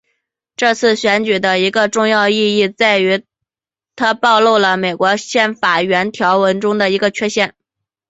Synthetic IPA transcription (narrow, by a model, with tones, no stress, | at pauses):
ʈ͡ʂɤ˥˧t͡sʰɹ̩˥˩ɕɥɛ˧˥nt͡ɕy˨˩d̪ə˦i˧˥ɡə˧ʈ͡ʂʊ˥˧ŋjɑ˥˧ʊi˥˧i˥˧t͡sa˥˩ɪy˧˥ | t̪ʰa˥pɑ˥˧ʊlu˥˩ʊlə˩me˨˩ɪkwɔ˧˥ɕjɛ˥˩nfa˨˩ɥɛ˧˥nt̪ʰjɑ˧˥ʊwə˧˥nʈ͡ʂʊ˥ŋd̪ə˨˩i˧˥ɡə˧t͡ɕʰɥɛ˥ɕjɛ˥˩n